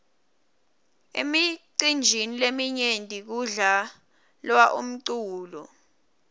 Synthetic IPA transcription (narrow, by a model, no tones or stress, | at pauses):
ḛmiǀind͡ʒʱinilemiɲendʱʼik̬uɮa | lwaʔum̩ǀuːlɔ̰